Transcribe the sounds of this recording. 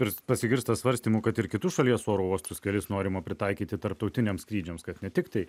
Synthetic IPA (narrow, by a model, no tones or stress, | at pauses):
pʲɛɾpɐsʲɪɡʲɪɾst̪ɐsʋɐɾʲsʲt̪ʲiːmukɐt̪ɪɾkʲɪt̪ʊʃɐlʲiɛsoːɾoːoːst̪ʊskʲɛlʲɪsnoːɾʲɪmɐpʲɾʲɪt̪ɑɪkʲiːt̪ʲɪt̪ɐɾp̚t̪ɐʊt̪ʲɪnʲeːmskɾʲiːd͡ʒʲɛmskɐt̪nʲɛt̪ʲɪkt̪ɐɪ